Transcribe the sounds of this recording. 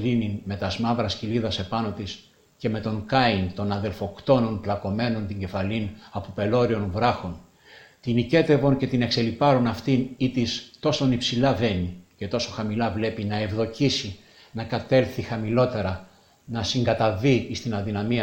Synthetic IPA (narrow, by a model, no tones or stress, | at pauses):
lininme̞t̪ɐzmɐvɾɐsciliðɐse̞pɐno̞t̪is | ce̞me̞t̪o̞ŋkɐint̪o̞nɐðe̞lfo̞kt̪o̞no̞nplɐko̞me̞no̞nt̪iɲɟe̞fɐlinɐpope̞lo̞ɾio̞nvɾɐxo̞n | t̪inice̞t̪e̞vo̞nce̞t̪ine̞kse̞lipɐɾonɐft̪init̪ist̪o̞so̞nipsilɐve̞nice̞t̪o̞so̞xɐmilɐvle̞pinɐe̞vðo̞cisi | nɐkɐt̪e̞lθixɐmilo̞t̪e̞ɾɐ | nɐsiŋɡɐt̪ɐviːst̪inɐðinɐmiɐ